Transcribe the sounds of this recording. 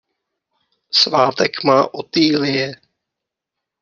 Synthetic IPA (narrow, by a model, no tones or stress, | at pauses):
svaːt̪ɛkmaːʔot̪iːlɪjɛ